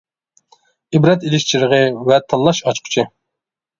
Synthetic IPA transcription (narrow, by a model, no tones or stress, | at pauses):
ibɾɛt̪ilɪʃt͡ʃʰiɾəʁəwɛt̪ʰɑlˠːɑʃɑt͡ʃqʰʊ̥t͡ʃʰɪ